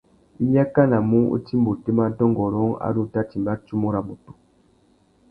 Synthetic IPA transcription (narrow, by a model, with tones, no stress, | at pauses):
i˦ɲa˦ka˦na˨mu˦ṵ˦ti˦mbu˨te˦ma˦tɔ˦ŋɡɔ˨ɾɔ˦ŋa̰˦du˦˨ta˦ti˨mba˦t͡ʃu˦mu˦ɾa˨mu˨tu˨